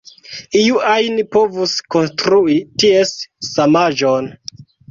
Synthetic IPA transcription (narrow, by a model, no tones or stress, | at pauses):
iuajnipo̞vusko̞nstɾuitiesːamad͡ʒon